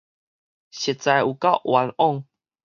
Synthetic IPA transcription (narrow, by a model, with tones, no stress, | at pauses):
ɕe˨t̚t͡sa˧ju˨˩ka˥˧˨ʊʔwa˨˧nɔ˥˧ŋ